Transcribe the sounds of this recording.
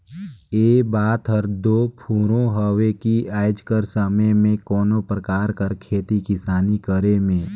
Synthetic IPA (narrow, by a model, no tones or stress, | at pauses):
eːbaːt̪ɦəɾd̪oːpʰuːɾõɦəʋekiaːjd͡ʒkəɾsəməjmẽkɔːnopɾəkaːɾkəɾkʰeːt̪ikɪsaːnikəɾemẽː